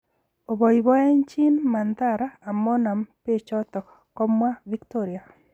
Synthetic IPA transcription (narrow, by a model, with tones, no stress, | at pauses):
o˨bɔ˨i˨bɔ˦ɛ˦ɲt͡ʃi˦nma˨nt̪a˦ɾaː˦˨mɔ˦na˨mpe˦t͡ʃɔ˦t̪ɔ˨k | kːɔ˦mwa˦vi˦kto˦ɾi˨a˨